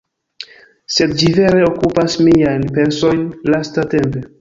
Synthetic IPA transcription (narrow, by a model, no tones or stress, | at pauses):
se̞dd͡ʒive̞ɾe̞okupasmiajnpe̞nso̞jnlastate̞mpe̞